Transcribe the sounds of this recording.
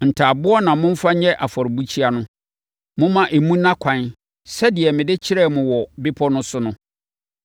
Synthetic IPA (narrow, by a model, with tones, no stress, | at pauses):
n̩˨tʰaː˨bʊ˦ɔ˦nã˨mʊ̃˦m̩˦fa˦ɲɛ̃˦ʔa˨fɔ˨ɾbu˦t͡ɕʰi˦a˦nʊ̃˦ | mʊ̃˦mã˦ʔe˨mũ˦nã˦kʷʰã˨n | sɛ˦dɪ˨ɛ˨mɪ̃˨dɪ˦t͡ɕʰɪ˦ɾɛ˦˨mʊ̃˨wɔ˨bɪ˦pʰɔ˦nʊ̃˦sʊ˦nʊ̃˦